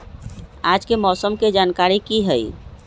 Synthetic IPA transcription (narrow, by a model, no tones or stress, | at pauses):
ad͡ʒkemɔːsəmked͡ʒankaɾikiɦəj